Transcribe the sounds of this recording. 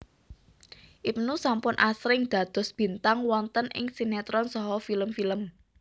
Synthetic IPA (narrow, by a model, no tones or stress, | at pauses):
ʔipnusampʊnʔasɾɪŋd̪̥ä̤d̪̥ɔ̤sb̥i̤nt̪aŋwɔnt̪ənɪ̰ŋsinɛt̪ɾɔnsɔɦɔfiləmfiləm